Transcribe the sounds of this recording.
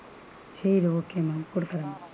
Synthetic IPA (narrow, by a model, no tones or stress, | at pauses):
t͡ʃeːjid̪uoːkeːmaːmkoɽukɐɽɐm